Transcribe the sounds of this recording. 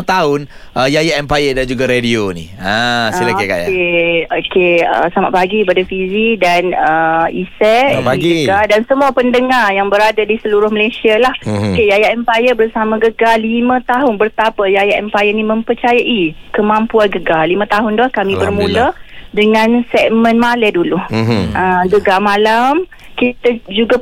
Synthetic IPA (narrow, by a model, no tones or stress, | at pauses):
t̪aʊn | ʔəjajaʔɛmpajədand͡ʒuɡaɾedionḭasilakeka̰jakeokeə̰sama̰ʔpaɡikipadafizidanəisɛaɡiɡəɡadansəmuapəndəŋarjaŋbəɾadadisəluɾʊhməlesialahokejajaʔɛmpajəbərsamãɡəɡalimə̃t̪aɦʊnbərt̪apajajaʔɛmpajənimə̃mpərt͡ʃajaʔikəmãmpuanɡəɡalimə̃t̪aɦʊndɔhkamĩbərmũlədəŋãnsɛʔ̚mə̃nmalɛduluʔəɡəɡamalam | kit̪ad͡ʒuɡa